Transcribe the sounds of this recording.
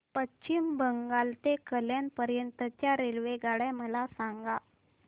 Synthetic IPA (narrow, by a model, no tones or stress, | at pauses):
pətːɕimbəŋɡalt̪ekəljanpəɾjənt̪ət͡ɕjaɾelʋeɡaɽaməlasaŋɡa